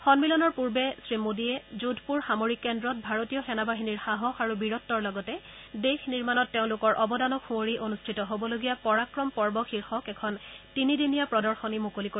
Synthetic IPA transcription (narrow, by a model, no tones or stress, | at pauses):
xɔnmilɔnɔɹpuɹbɛsɹimodiɛzudʱpuɹxamoɹikːɛndɹɔt̚bʱaɹotijɔxɛnabaɦiniɹxaɦɔxaɹubiɹɔtːɔɹlɔɡɔtɛ | dexniɹmanɔtːeʊ̃lʊkɔɹʔɔbɔdanɔkxũoɹiʔonustʰitɔɦobɔloɡijapɔɹakɹɔmpɔɹbɔxʰiɹxɔkɛkʰɔntinidinijapɹɔdɔɹxɔnimukoliko